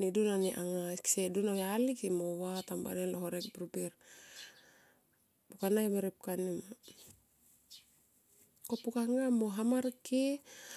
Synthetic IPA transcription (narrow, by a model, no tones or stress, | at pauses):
nidunaniʔaŋaki̥sɛdunawalikimɔwat̪amba̰nɛlɔɦɔɾɛk̚pɾupir | bukanaimeɾɛp̚kanima | kopukaŋamoɦamarki